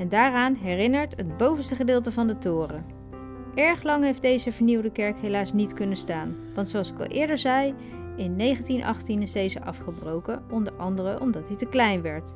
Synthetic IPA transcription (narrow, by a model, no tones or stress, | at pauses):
ɛndaːraːnɦɛrɪnəɹtədbowvənstəχədɪːlˠtəvɑndətʊːrə | ʔɛɹχlɑŋɦejfdejzəvəɹniwdəkɛɹkɦejlaːsnitkɵnəstaːn | ʋɑntsowɑlˠsɪ̥kɑ̰lˠʔɪːɹdəɹzɛj | ɪnːejχəntinʔɑ̰χtinɪsdejzəʔɑfχəbrowkəɔndəɹʔɑ̰ndərəʔɔmdɑtditəklɛjnʋɛɹt